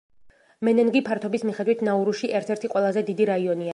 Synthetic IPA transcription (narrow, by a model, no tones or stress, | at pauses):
mɛnɛnɡipʰaɾt̪ʰɔbismiχɛd̪wit̪ʰnauɾuʃiʔɛɾt̪ʰɛɾt̪ʰiqʼwɛlˠazɛd̪id̪iɾaiɔnia